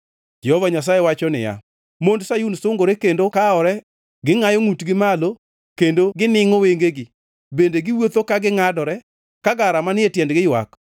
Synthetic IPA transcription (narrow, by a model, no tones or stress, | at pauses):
d͡ʒɛhɔvaɲas̬ajewat͡ʃɔnɪ̰ja̰ | mondsajunsʊŋɡoɾekendokaɔɾɛ | ɡɪŋajɔŋutɡɪmalo | kendoɡɪnɪŋɔweŋɡeɡɪ | bendeɡɪwot̪okaɡɪŋadɔɾɛ | kaɡaɾamanɪetjɛndɡɪjwa̰k